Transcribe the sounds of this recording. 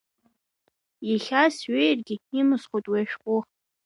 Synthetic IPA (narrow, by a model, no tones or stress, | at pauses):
iχʲasɥejrɡʲɪimɨsχʷojtʼweaʃᶣqʷʼʊχ